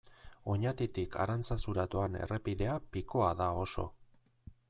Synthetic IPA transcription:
o̞ɲat̪it̪ika̰ɾant͡sasuɾat̪oane̞̰repiðe̞apiko̞aðao̞so̞̰

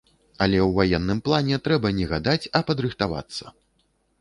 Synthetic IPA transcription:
ɐlʲɛwvajɛnːɨmplˠanʲɛt̪ɾɛbɐnʲɛɣad̪at͡sʲɐpɐd̪ɾɨxt̪ava̰t̪sːɐ̰

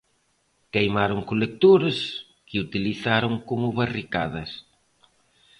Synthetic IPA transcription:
kejmaɾʊŋkolek̚t̪uɾɐs | kɪut̪iliθaɾʊŋkomʊβarika̰ðɐs

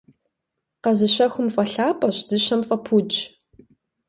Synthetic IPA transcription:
qɐzɨɕɐxʷʊmfʼɐɬaːpʼɐɕz̥ɨɕɐmfʼɐpʰud͡ʒ

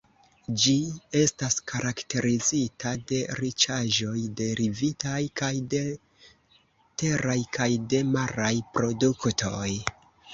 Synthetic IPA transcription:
d͡ʒie̞staskaɾʔakte̞ɾizitʰade̞ɾit͡ʃaʒo̞jde̞ɾʔivitajkajde̞ | te̞ɾajkʰajde̞maɾajpɾo̞duktʰo̞j

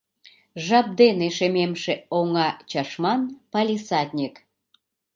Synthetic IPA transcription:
ʒɑp̚d̪eneʃememʃeoŋɑt͡ɕɑʃmɑnpɑlʲisɑt̪ʲnʲik

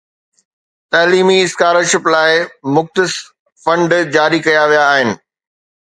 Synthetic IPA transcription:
t̪ɐːliːmiɪskaːɾoʃɪplaːɪmʊxt̪ɪs | fɐ̃ɳɖd͡ʑaːɾikɐjaʋijaːɦɪnɪ̆

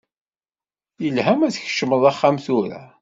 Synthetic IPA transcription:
jəlhæmæθç̥ʃəməðˤɑχːamθuɾæ̰

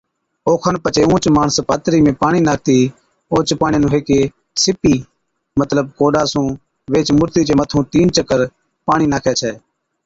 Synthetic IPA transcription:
oːkʰənpət͡ʃeːũːt͡ʃmaːɳəspaːt̪ɾiːmẽːpaːɳiːnaːk̚ʰt̪iː | oːt͡ʃpaːɳɪjãːnũːɦeːkeː | sɪpiː | mət̪ləb̚koːɖaːsũː | ʋeːt͡ʃmʊɾt̪iːt͡ʃeːmət̪ʰũːt̪iːnt͡ʃəkəɾ | paːɳiːnaːkʰɛːt͡ʃʰɛː

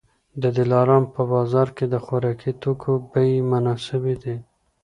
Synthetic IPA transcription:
d̪əd̪ɪlɑɾɑmpəbɑzɑɾked̪əxaɾɑkit̪okʰobəjmanɑsɪbid̪i

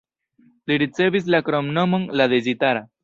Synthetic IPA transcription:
liɽit͡sebis̬lakɾɔmnəməŋlaðed͡ʑit̪aɾa

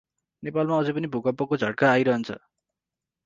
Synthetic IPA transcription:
nepalmaʌd͡zʌpʌnibʱukʌpːʌkod͡zʱʌɽ̚kaːjɾʌɦʌnt͡sʰʌ̰

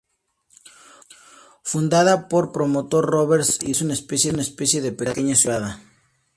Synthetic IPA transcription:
fund̪aðapo̞ɾpɾo̞mot̪o̞ɾroβeɾsisounaespesjenaespesjeðepekeɲasjuaða

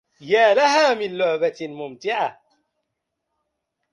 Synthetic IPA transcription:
jaːlaɦaːmɪnlʊʕbamʊmt̪ɪʕa

